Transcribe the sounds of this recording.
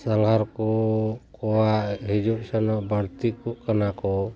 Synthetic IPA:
saŋɡaɾkɔkɔwaʔɦid͡ʒuʔsɛnɔʔbaɽt̪ikuʔkanakɔ

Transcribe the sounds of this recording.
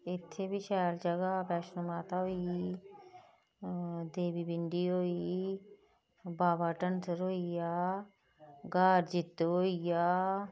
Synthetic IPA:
ɪt̪ʰːebʱiʃɛːld͡ʒəɡabɛːʃnəmaːt̪aɦoi | d̪eːbibɪɳɖiɦoːi | baːbaːʈənsəɾɦoːijaː | ɡaːɾd͡ʒɪt̪ːɦoːijaː

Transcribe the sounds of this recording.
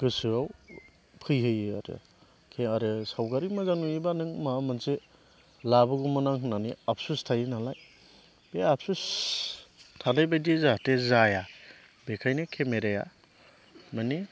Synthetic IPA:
ɡ̥ɯsɯaw | pʰɯjɦɯjɯa̰ɾḛ | kʰeaɾesawɡaɾimazanujibanɯŋmamɯnse | labɯɡumɯnaŋɦɯnaniap̚ʰsustʰajinalaj | b̥eap̚sus | tʰalajbajdizatezaja | bekʰajnekʰemeɾeja̰ | mani

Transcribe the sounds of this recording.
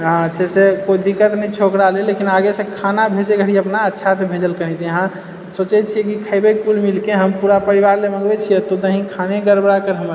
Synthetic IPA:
ɦãsesekoid̪ikːət̪nəit͡ʃʰokɾalelekinaɡesẽkʰanabʱed͡ʒeɡʱəɽiəpnaətːʃʰasẽbʱed͡ʒəlkəɦɛt͡ʃʰiəɦã | sot͡ʃɛt͡ʃʰiɛkikʰəjbekulmilkeɦəmpuɾapəɾiʋaɾleməɡbɛt͡ʃʰijɛt̪od̪əɦĩkʰaneɡəɾbɾakəɾɦəməɾ

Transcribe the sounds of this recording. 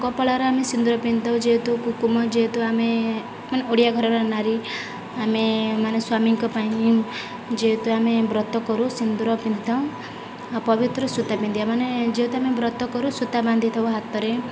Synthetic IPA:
kɔpɔɭaɾɔamesind̪uɾɔpint̪aw̃d͡ʒeɦet̪ukukumɔd͡ʒeɦet̪uame | maneoɽijaɡʱɔɾɔɾɔnaɾi | amemaneswamiŋkɔpaĩ | d͡ʒeɦet̪uamebɾɔt̪ɔkɔɾusind̪uɾɔpint̪ɔw̃ | pɔbit̪ɾɔsut̪abind̪iamaned͡ʒeɦet̪uamebɾɔt̪ːɔkɔɾusut̪aband̪ʱit̪ʰɔbɦat̪ɔɾe

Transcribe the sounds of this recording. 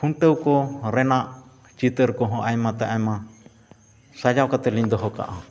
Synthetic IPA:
pʰuɳʈəwkɔɾɛnaʔ | t͡ʃit̪əɾkɔɦɔ̃ʔajmãt̪aʔajmã | sad͡ʒawkat̪ɛliɲd̪ɔɦɔka̰ʔã

